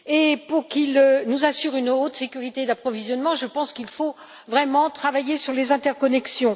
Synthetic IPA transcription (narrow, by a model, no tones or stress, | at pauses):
epuʁkilnuzasyʁynot̪sekʲyʁit̪ed̪apχɔvizjɔnmɑ̃ʒəpɑ̃skilfo | vʁɛmɑ̃t̪χavajesyʁlezɛ̃t̪ɛʁkɔnɛksjɔ̃